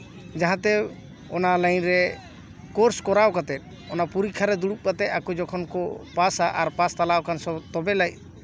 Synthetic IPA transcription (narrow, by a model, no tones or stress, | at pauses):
d͡ʒaɦãt̪ɛ | ɔnalajnɾɛ | kɔɾskɔɾawkat̪ɛt̪̚ˀ | ɔnapuɾikʰaɾɛd̪uɽup̚kat̪ɛt̪akɔd͡ʒɔkʰɔnkɔpasaʔaɾpast̪alawkansɔt̪ɔbɛlaj̚